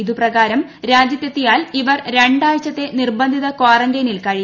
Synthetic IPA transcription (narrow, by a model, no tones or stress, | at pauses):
iðuprɐɣaːɾɐmɾaːd͡ʑjɐt̪ːjɐt̪ːijaːliʋɐrɾeɳɖaːʋɐt͡ɕːɐt̪ːe̞nirbɐnd̪ʱiðɐkaːrɐŋɡɐnilkɐɻi